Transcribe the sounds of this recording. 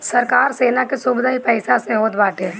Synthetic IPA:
sɐɾkaːɾseːnakesʊbɪd̪aɦipɛːsasẽɦoːt̪baːʈeː

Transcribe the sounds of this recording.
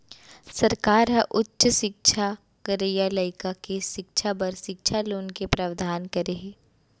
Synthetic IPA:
sɐɾkaːɾɦɐ̃ʔʊtːʃʃɪk̚ʃʰa | kɐɾejaləɪkakeʃɪkʃʰabɐɾʃɪkʃʰaloːnkepɾɐʋd̪ʱaːnkɐɾeɦeː

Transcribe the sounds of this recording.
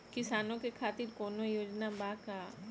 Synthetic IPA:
kɪsaːnõkekʰaːt̪ɪɾkɔːnojoːd͡ʒnabaːka

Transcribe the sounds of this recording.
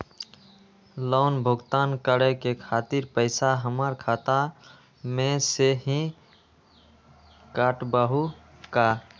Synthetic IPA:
loʊnbʱʊɡt̪ankəɾekekʰat̪iɾpəɪsaɦəməɾkʰat̪a | mẽseɦĩ | kaʈbəɦu | ka

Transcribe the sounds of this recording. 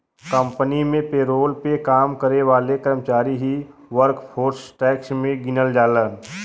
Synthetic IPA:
kə̃mpənimẽpeːɾoːlpekaːmkəɾeʋaːlekəɾmət͡ʃaːɾiɦiʋəɾkpʰoːɾsʈɛːksmẽɡɪnəld͡ʒaːlən

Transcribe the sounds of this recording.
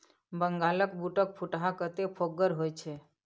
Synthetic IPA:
bəŋɡaləkbuʈək̚pʰuʈɦakət̪epʰoɡəɾɦojt͡ʃʰe

